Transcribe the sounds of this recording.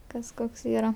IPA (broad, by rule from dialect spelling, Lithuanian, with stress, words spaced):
ˈkɐs ˈkoːks ˈiːrɐ